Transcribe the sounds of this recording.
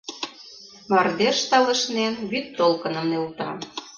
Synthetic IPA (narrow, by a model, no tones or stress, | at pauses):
mɑrd̪eʃt̪ɑlə̆ʃnenβyt̪ːolkə̆nə̆mnelt̪ɑ̰